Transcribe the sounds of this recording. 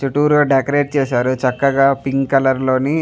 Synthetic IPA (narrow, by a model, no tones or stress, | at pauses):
t͡ʃuʈuːɾloːɖekɾeːɖ̚t͡ʃeːsaːɾut͡ʃɐkːɐɡaːpiŋɡkɐlɐɾlo̞ːni